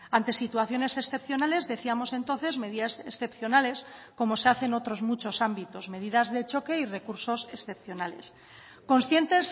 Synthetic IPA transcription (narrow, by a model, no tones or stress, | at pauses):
ant̪e̞sit̪uaθjo̞ne̞se̞sθe̞p̚θjo̞nale̞zðe̞θiamo̞se̞nt̪o̞nθe̞zme̞ðiðasesθe̞pθjo̞nale̞sko̞mo̞se̞aθe̞no̞t̪ɾo̞zmut͡ʃo̞sambit̪o̞zme̞ðiðazðe̞t͡ʃo̞ke̞ire̞kuɾso̞se̞sθe̞p̚θjo̞nale̞̰s | ko̞nsθje̞nt̪e̞s